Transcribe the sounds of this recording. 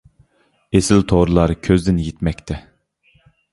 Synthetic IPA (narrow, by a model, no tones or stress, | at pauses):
esɪlt̪ʰoɾɨlˠɑɾkʲʰøzd̪ɪnjet̪mɛk̚ʲt̪ʰɛ